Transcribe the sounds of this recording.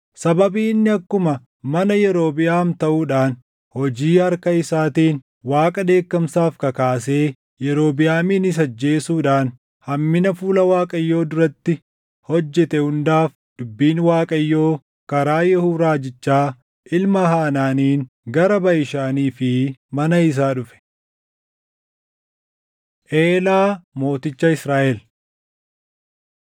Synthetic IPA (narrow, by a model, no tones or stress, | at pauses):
sɐbɐbiːnːɪɐkːʊmɐ | mɐnɐjɛɾo̞ːbɪjaːmt̪ɐʔuːᶑaːn | hɔd͡ʒiːɐɾkɐɪsaːt̪iːn | waːkʼɐd̪e̞ːkːɐmsaːfkɐkaːse̞ː | jɛɾo̞ːbɪjaːmɪnɪs̬ɐd͡ʒːe̞ːsuːᶑaːn | hɐmːɪnɐfuːlɐwaːkʼɐjːo̞ːd̪ʊɾɐt̪ːɪ | hɔd͡ʒːɛt̪ɛhʊnd̪aːf | d̪̥ʊbːiːnwaːkʼɐjːo̞ː | kɐɾaːjɛhuːɾaːd͡ʒɪt͡ʃːaː | ʔɪlmɐɦaːnaːniːn | ɡɐɾɐbɐjɪʃaːniːfɪmɐnɐɪs̬aːᶑʊfɛ̥ | ʔe̞ːlaːmo̞ːt̪ɪt͡ʃːɐɪsɾaːʔɛl